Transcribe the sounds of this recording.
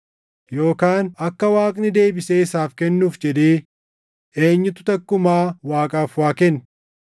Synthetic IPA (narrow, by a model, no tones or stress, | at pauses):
jo̞ːkaːnɐkːɐwaːkʼnɪd̪e̞ːbɪseːɪsaːfkɛnːuːfd͡ʒɛd̪eː | eːɲːɪt̪ʊ̥t̪ɐkːʊmaːwaːkʼaːfwaːkɛn